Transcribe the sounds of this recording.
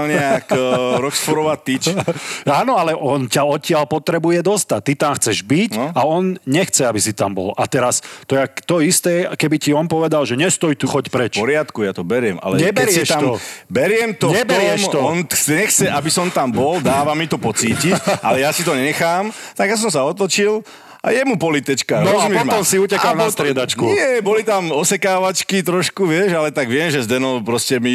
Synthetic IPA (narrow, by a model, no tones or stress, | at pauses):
ɲɛakɾɔksfɔɾɔʋat̪ːit͡ʃaːnɔalɛʔɔncaɔcɪalpɔt̪ɾɛbujɛd̪ɔst̪ac̚t̪it̪amxt͡sɛʒbicaɔnɲɛxt͡sɛabisit̪a̰mbɔ̰lʔa̰t̪ɛɾast̪ɔjat̪ɔist̪ɛːkɛbiciɔnpɔʋɛd̪alʒɛɲɛst̪ɔjit̪uxɔcpɾɛt͡ʃpɔɾɪat̪kujat̪ɔbɛɾɪɛma̰lɛɲɛbɛɾjiʃt̪aɔbɛɾɪɛmt̪ɔɲɛbɛɾɪɛmʃɔɔnsɛɲɛxt͡sɛʔabisɔnt̪ambɔld̪aːʋamit̪ɔpɔt͡siːcicʔalɛjasit̪ɔɲɛɲɛxaːmt̪aɡjas̬ɔmsaɔt̪ɔt͡ʃil | ʔa̰jɛmupɔlit̪ɛt͡ʃkaɾɔzumɛt̪ɔmsiucɛkalnast̪ɾɪɛd̪at͡ʃkujɛbɔlit̪amɔsɛkaːʋat͡ʃkit̪ɾɔʃkuʋɪɛʃalɛt̪aɡʋɪɛmʒɛzd̪ɛnɔwpɾɔscɛmi